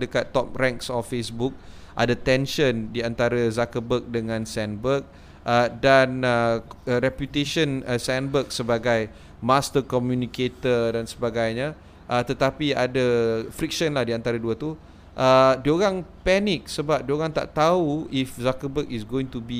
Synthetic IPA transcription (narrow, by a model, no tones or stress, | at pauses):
dəkat̪ːɔp̚rɛŋksɔfːesbuk̚ | ʔa̰dat̪ɛnʃəndiant̪aɾazakəbək̚dəŋãnsɛnbək̚ | ədanəɾɛpjut̪eʃənəsɛnbək̚səbaɡaj | mast̪əkɔmjuniket̪ədansəbaɡajɲã | ʔət̪ət̪apiadafɾik̚ʃənlahdiant̪aɾəduət̪u | ʔədioɣaŋpɛnik̚səbap̚dioɣaŋt̪a̰ʔt̪auifzakəbəkisɡoĩŋt̪ubi